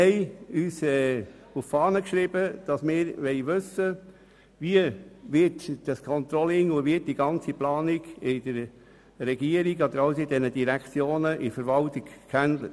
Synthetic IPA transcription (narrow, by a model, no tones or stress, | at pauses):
ɛɪyːsɛːuffɑːnəkʃɾɪb̥əd̥ɑsmɪːɾʋɛɪʋʉsə | ʋiəʋɪtd̥ɑskʰɔnt̪ɾɔlɪŋʊʋɪt̚d̥iɡɑnt͡siplɑːniɡ̥ɪd̥əɾ | ɾɛɡiəɾiɡɔd̪əɾɑwsidɛnəd̥iɾækt͡sjoːnəʔɪfəɾʋɑltɪɡ̥kʰændlət